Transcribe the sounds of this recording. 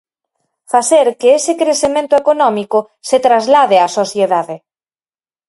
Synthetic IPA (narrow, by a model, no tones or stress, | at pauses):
faθeɾkeesɪkɾeθemẽnt̪ʊekonɔmikʊ | set̪ɾazlaðeasoθjeðaðe